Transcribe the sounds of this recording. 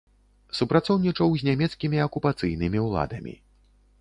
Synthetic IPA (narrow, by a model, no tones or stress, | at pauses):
supɾat̪sɔwnʲit͡ʂɐwzʲnʲamʲɛt̪skʲimʲiɐkupat̪sɨjnɨmʲiwlˠa̰d̪ɐmʲḭ